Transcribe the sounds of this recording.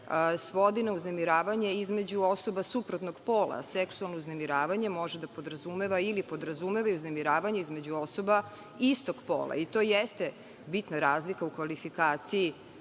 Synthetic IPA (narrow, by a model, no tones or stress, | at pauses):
sʋo̞d̪inouznemiɾaːʋaɲeizmed͡ʑuo̞so̞basupɾot̪noɡpoːlˠa̰sɛksualˠnouznemiɾaːʋaɲe̞mo̞ʒed̪apo̞d̪ɾazumeʋailipo̞d̪ɾazumeʋaiuznemiɾaːʋaɲeizme̞d͡ʑuoso̞ba | ist̪oɡ̥po̰ːlˠa̰it̪o̞jest̪e̞ | bit̪naɾaːzlikaukʋalifikaːt̪siji